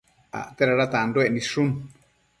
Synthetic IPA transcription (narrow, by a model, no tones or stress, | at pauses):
a̰ʔt̪eɾaɾat̪ãnd̪oenĩʂun